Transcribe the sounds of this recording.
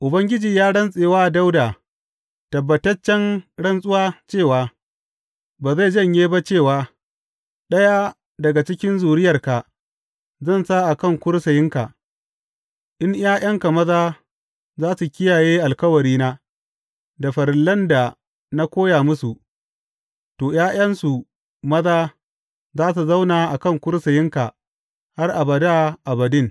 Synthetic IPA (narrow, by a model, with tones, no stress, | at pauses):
ʔʊ˨bɐ˦ŋɡʲɪ˦d͡ʒiː˨jaː˦ɽɐ˦nsʼeː˨waː˦˨da˦wda˨ | tɐ˨bːɐ˨tɐ˦t͡ʃːɛ˦nɽɐ˦nsʼʊ˦waː˦t͡ʃeː˦˨waː˨ | baː˨za˦˨d͡ʒɐ˦˨ɲjeː˦ba˦t͡ʃeː˦˨waː˨˦ | ɗɐ˦ja˦ | dɐ˨ɡa˨t͡ʃɪ˦kʲɪ˦nzuː˨ɾɪ˦jɐ˨rka˨ | zɐ˦˨nsaː˦ʔa˨kɐ˦˨ŋkʷʊ˦ɽsɐ˨jɪ˦ŋka˨ | ʔɪ˦ɲj̰aː˦j̰ɐ˦ŋka˨mɐ˦ðaː˦ | zaː˦su˨kʲɪ˦jaː˨jeː˦ʔa˨lkɐ˦wɐ˨ɾiː˦naː˦ | da˨ɸɐ˨ɾɪ˨lːɐ˦nda˨ | na˦kʷoː˦jaː˨mʊ˦su˨ʔ | toː˨jaː˦j̰ɐ˦nsu˨ | mɐ˦ðaː˦ | zaː˦s̬u˨za˦wna˨ʔa˨kɐ˦˨ŋkʷʊ˦ɽsɐ˨jɪ˦ŋka˨ | ha˦rʔa˨bɐ˨da˦ʔa˨bɐ˨dɪ˦˨ŋ